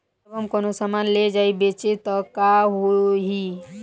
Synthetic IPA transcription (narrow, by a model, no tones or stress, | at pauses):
bɦəmkonosamanled͡ʒaibet͡ʃet̪ɔkaɦoɦi